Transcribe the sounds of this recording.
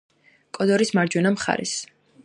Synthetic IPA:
kʼɔd̪ɔɾismaɾd͡ʒwɛnamχa̰ɾɛ̰s

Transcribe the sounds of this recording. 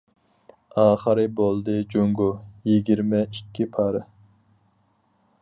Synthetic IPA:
ɑːχəɾɨbolˠd̪ɨd͡ʒoŋɡujiɡʲiɾmɛikʲːipʰɑɾɨ

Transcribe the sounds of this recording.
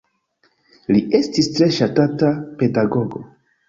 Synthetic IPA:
liʔe̞stistɾe̞ʃatatape̞daɡo̞ɡo̞

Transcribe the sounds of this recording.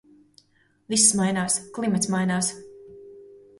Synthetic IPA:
visːmajnaːsklˠimat̪smajnaːs

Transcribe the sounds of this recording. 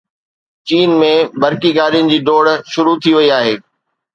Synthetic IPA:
t͡ɕiːnmẽbɐɾkiɡaːɾijʊnɪ̆d͡ʑiːɖoːɽʃʊɾut̪ʰiʋɐiaːɦeː

